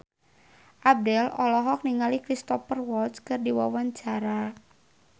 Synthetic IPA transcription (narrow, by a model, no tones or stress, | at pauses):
ʔab̚dɛlɔlɔɦɔk̚niŋalikɾist̪ɔfərwɔlt̪skɨrdiwa̰waɲt͡ʃaɾa